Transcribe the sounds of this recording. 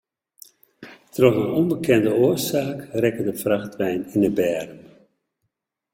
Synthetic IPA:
trɔxənɔmbəkʰɛndəoːrsaːkrɛkədəfraχtʋɛjnɪnəbɛːrəm

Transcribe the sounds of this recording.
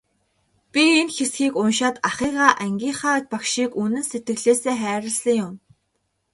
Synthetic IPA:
pʲienxesxiːkʊnʃaːt̪aχiːʁaːʔæŋɡʲiːɴχaːt̪̚pakʃiːkunɘ̆nset̪̚ɡɘ̆ɣɮeːseːχæːɾə̆ɮsə̆ŋjʊm

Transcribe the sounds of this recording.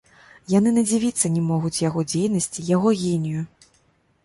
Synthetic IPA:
jan̪ɨnɐd͡zʲivʲit̪sːɐnʲɛmɔɣut͡sʲjaɣɔd͡zʲejnɐsʲt͡sʲijaɣɔɣʲenʲiju

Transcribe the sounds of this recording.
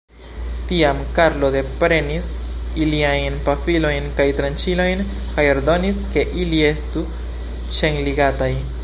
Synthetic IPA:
tiamkaɾlo̞de̞pɾe̞nisiliajnpafilo̞jnkajtɾant͡ʃilo̞jn | kajo̞ɾdo̞niske̞ʔilie̞stu | ʃeŋliɡataj

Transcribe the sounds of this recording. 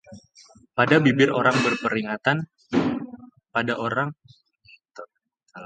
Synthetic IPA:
padabibɪroɾaŋbərpəɾiŋat̪an | padaʔoɾaŋ

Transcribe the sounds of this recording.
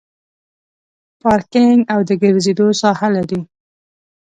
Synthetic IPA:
pɑɾkɪŋɡawd̪əɡəɾzed̪osɑhalaɾi

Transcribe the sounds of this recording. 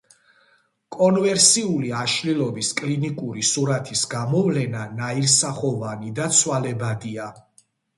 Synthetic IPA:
kʼɔnvɛɾsiuliaʃlilˠɔbiskʼlinikʼuɾisuɾat̪ʰisɡamɔvlɛnanaiɾsaχɔvanid̪at̪sʰwalɛbad̪ia

